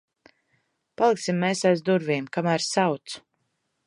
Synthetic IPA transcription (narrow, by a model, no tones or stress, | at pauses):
palˠiksimːeːsajzd̪uɾviːmkamæːɾsawt̪su̥